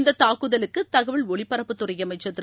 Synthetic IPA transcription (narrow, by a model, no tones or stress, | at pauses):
nd̪ɐt̪ːaːkɯðɐlɯkːɯt̪ɐɣɐʋɪɭɔɭɪpːɐɾɐpːɯt̪ːʊrɐjɐmɐɪt͡ʃːɐt̪ːɪ